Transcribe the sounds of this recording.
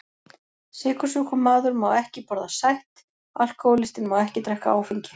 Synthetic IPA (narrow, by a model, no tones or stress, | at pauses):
sɪːkʏ̥suːkʏmaːðʏɾmaːwɛhcɪpɔɾðasajht̪ | a̰l̥kʰowlɪst̪ɪnmawɛhcɪt̪ɾɛhka̰aːwfiɲcɪ̥